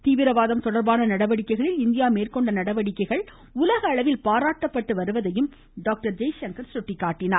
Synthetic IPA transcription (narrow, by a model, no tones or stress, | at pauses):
t̪iːʋɪɾɐʋaːðɐmt̪ɔɽɐɾbaːnɐnɐɽɐʋɐɽɪkːɐɪɣɐɭɪlɪnd̪ɪjaːmeːrkɔɳɖɐnɐɽɐʋɐɽɪkːɐɪɣɐɭ | ʊlɐɣɐːɭɐʋɪlpaːɾaːʈːɐpːɐʈːɯʋɐɾɯʋɐðɐjɯm | ɖaːk̚ʈɐɾd͡ʒɐɪjʃɐŋkɐɾsɔʈːɪkːaːʈːɪnaː